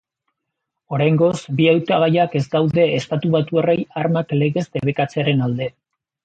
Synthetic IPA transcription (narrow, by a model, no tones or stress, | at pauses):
o̞ɾajŋɡo̞zbiawt̪aɣajake̞zɡawðe̞ːst̪at̪uβat̪ue̞re̞jaɾmakle̞ɣe̞zd̪e̞βe̞kat͡seaɾe̞nald̪e̞